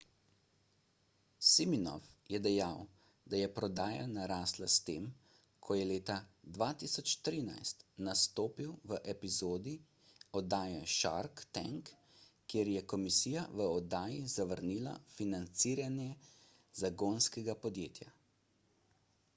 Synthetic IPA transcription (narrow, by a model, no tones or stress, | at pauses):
siminɔ̰fjɛd̪ɛjaw | d̪ajɛpɾɔd̪aːja̰naɾaːslast̪eːm | kʰɔjɛleːt̪ad̪ʋaːt̪isɔt͡ʃt̪ɾiːna̰jst̪nast̪oːpiwʋəʔɛpizoːd̪i | ɔd̪aːjɛʃa̰ɾkt̪ɛ̰ŋkː | eːɾjɛkɔmisiːjaʋəɔd̪aːjizaʋəɾniːla̰finant̪siːɾanjɛ | zaɡonskɛɡapɔd̪jeːt̪ja̰